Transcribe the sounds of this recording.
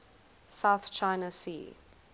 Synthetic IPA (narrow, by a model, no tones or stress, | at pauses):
saʊθt͡ʃʰãɪnəsḭː